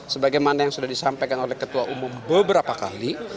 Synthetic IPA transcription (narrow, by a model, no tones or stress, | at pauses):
səbaɡajmanajaŋsudahdisampajkanolɛhkət̪uaʔumʊmbəbəɾapaka̰li